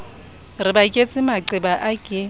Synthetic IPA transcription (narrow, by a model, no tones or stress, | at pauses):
rɪbakʼet͡sʼɪmaǀɪbaʔakʼɪ